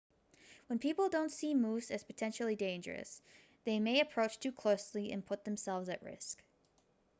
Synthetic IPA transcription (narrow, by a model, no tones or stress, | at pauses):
wə̃npʰipl̩ˠdõʊ̃ntsimusɨz̥pɨtʰɛ̃nʃl̩ˠidẽɪ̃nd͡ʒə̰˞ɨ̰s | ðeɪmeɪɨpʰɹ̥oʊt͡ʃtʰʉkʰl̥oʊsliɨ̰̃npʰʊt̪̚ðɨ̃m̩sɛlˠvzɨʔ̚ɹɪ̰sk